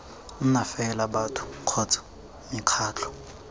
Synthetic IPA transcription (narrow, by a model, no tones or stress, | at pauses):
n̩nafɛlabatʰʊ̥kʰɔt͡sʰʼḁ | mikʰaːt͡ɬʰɔ̥